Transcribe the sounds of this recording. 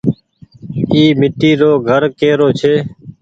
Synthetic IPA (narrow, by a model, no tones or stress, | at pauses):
iːmɪʈiːɾoːɡʱəɾkeːɾoːt͡ʃʰeː